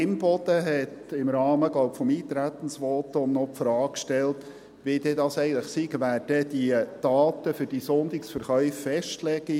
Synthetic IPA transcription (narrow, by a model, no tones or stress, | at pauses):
ɪmbɔd̪̥əɦɛt | ɪmɾɑːməɡlɔʊpfɔmiːt̪ɾæt̪ən̩sʋɔt̪onnɔpfɾɑːkʃtɛlt | ʋid̪ɛdɑsɛɪɡən̩tləχsiɡʋæːdəd̥iəd̥ɑːt̪əfʏɾd̥isɔnd̪ɪksfəɾχœʏfːɛʃtlɛɡi